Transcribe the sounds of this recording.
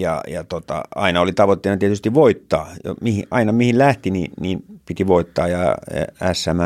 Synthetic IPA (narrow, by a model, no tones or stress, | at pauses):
jɑ̰jɑt̪ot̪ɑ̰ɑinɑolit̪ɑʋot̪ːeˑːnɑt̪iet̪yst̪iʋʋoit̪ːɑːjo̰mihḭʔɑinɑmihillæht̪inḭnniːnpit̪iʋoit̪ːɑːjɑ̰æsːæmæ